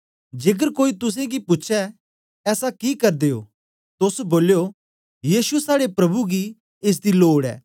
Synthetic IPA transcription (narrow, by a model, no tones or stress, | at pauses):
d͡ʒeːɡ̬əɾkoːit̪ʊs̬ẽɡipʊːt͡ʃʰɛː | sakikɐɾd̪eːo̰ː | t̪ʊsboːljo | jiːsuɛsaːɽepɾɐbuɡi | es̬d̪iloːɽɛ̰ː